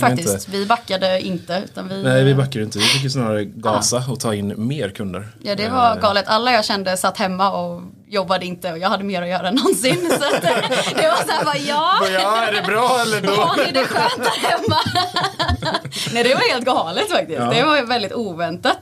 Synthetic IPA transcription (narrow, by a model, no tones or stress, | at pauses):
ffakt̪ɪsvɪbakːad̪əɪ̰nt̪əʉ̟̰ːt̪anvɪnɛɪvɪbakːad̪əɪnt̪əvɪfɪk̬jəsnɑːɾaɾəɡɑːsaɔt̪ʰɑːɪnːmeːɾkʰɵnd̪ə̰ɾjɑːd̪ɛvaɾɡɑːlət̪ʰalːajɑːɡɕɛnd̪əsat̪ːhɛmːaɔ | jɔbːad̪əɪnt̪əɔjɑːhad̪ːəmeːɾɔjœːɾaɛnɔnsɪnsatt̪ːd̪ɛvasæbajɑːæɖɛbɾɑːɛlːəəd̪ɛɧøːnt̪hɛmːa | nɛɪd̪ɛvaɾheːlt̪̚ɡɑːlət̪fak̚t̪ɪst̪d̪ɛvaɾvɛld̪ɪt̪uːvɛnt̪at̪